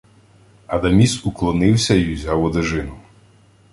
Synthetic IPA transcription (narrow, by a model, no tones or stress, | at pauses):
ɐd̪ɐmʲisuklˠɔnɪwsʲɐjuzʲawɔd̪eʒɪnʊ